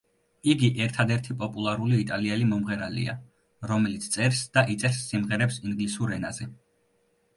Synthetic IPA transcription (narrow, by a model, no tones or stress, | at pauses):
iɡiʔɛɾt̪ʰad̪ɛɾt̪ʰipʼɔpʼulˠaɾuliːt̪ʼaliɛlimɔmʁɛɾalḭa̰ | ɾɔmɛlit̪sʰt̪sʼɛɾsd̪̥aʔit̪sʼɛɾsːimʁɛɾɛpsiŋɡlisuɾɛnazɛ